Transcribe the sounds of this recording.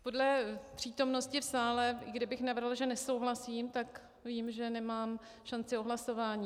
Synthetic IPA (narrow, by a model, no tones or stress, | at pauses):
po̞dlɛpr̝̥iːt̪o̞mno̞scɪfsaːlɛɡdɪbɪxnavrɦlʒɛnɛso̞wɦlasiːmt̪ak | viːmʒɛnɛmaːm | ʃant͡sɪoɦlaso̞vaːɲiː